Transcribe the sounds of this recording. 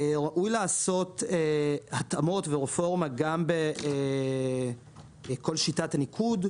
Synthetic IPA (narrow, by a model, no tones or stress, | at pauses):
ʁaʔujlaːso̞tehatamo̞tveʁefo̞ʁmaɡambe | ko̞lʃitatanikʰud